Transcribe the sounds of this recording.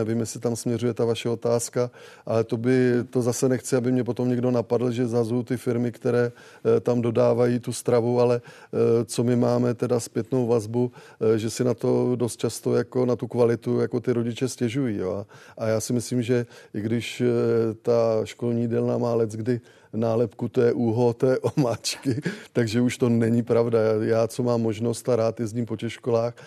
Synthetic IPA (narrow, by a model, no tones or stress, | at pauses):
ɛvimjɛsɪt̪amsmɲɛrujɛt̪avaʃɛo̞t̪aːska | ʔalɛt̪o̞bɪt̪o̞zasɛnɛxt͡sɪabɪmɲɛpo̞t̪o̞mɲɛɡdo̞napadl̩ʒɛzazowt̪ɪfɪɾmɪkt̪ɛɾɛː | t̪amdo̞daːvajiːt̪ust̪ɾavualɛt͡so̞mɪmaːmɛt̪ɛdaspjɛt̪no̞wvazbu | ʒɛsɪnat̪o̞do̞st̪̚t͡ʃast̪o̞jako̞nat̪ukvalɪt̪ujako̞t̪ɪɾo̞ɟɪt͡ʃɛscɛʒujiːjo̰aʔajaːsɪmɪsliːmʒɛʔɪɡdɪʃt̪aʃko̞lɲiːdɛlnamaːlɛt͡sɡdɪ | naːlɛpkut̪ojɛʔuːɦot̪ɛɛʔomaːt͡ʃkɪt̪aɡʒɛuʃt̪o̞nɛɲipɾavdajaːt͡so̞maːmːo̞ʒno̞st̪aɾaːt̪jɛzɲiːmpo̞cɛxʃko̞laːx